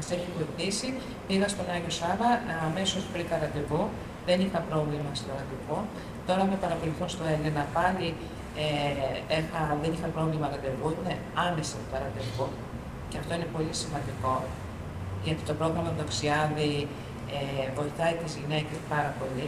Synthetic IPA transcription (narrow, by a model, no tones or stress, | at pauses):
ɐseçivevθisi | piɣɐst̪o̞nɐʝosɐlɐːme̞sospɾikɐɾɐd̪evu | ðe̞nixɐpɾo̞vlimɐst̪oɾɐd̪evu | t̪o̞ɾɐmepɐɾɐpoliθonst̪oelenɐpɐli | eexɐðe̞nixɐpɾo̞vlimɐɾɐd̪evuine | ɐme̞sɐt̪otɐɾɐnd̪evu | ceɐft̪o̞ine̞po̞lisimɐnd̪iko̞ | ʝɐt̪i̥t̪o̞pɾo̞ɣɾɐmɐðoksiɐði | evo̞iθɐit̪izʝine̞ce̞spɐɾɐpo̞li